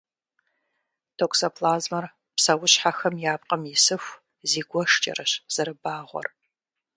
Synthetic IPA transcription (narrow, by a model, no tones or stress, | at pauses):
tʰokʷsɐpʰlaːzmɐr | psɐwʊɕħaxɐmjaːp̚ʼqʼɐmjɪsɨfʷ | ziːɡʷɔʂt͡ʃʼɐ̰rɐɕz̥ɐɾɨbaːʁʷɔ̰r